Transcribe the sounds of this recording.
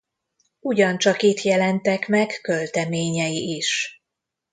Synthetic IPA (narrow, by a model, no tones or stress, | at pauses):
uɟɒnt͡ʃɒkit̪jɛlɛnt̪ɛkmɛkːø̞lt̪ɛmeːɲɛjiʔiʃ